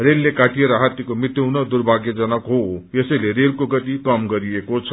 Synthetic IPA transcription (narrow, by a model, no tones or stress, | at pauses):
relːekaʈijeɾʌɦat̪ikomit̪juwnʌd̪uɾbʱaɡjʌd͡zʌnʌkɦoesʌjleɾelkoɡʌt̪ikʌmɡʌɾiekot͡sʰʌ